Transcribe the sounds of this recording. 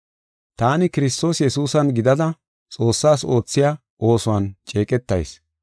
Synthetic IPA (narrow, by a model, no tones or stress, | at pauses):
t̪aːnɪkɪɾɪst̪o̞ːsjɛsuːsɐnɡɪd̪ɐd̪ɐ | t͡sʼo̞ːsːaːso̞ːt͡sːɪjaː | ʔo̞ːsʊwɐnt͡ʃʼe̞ːkʼɛt̪ːɐ̰js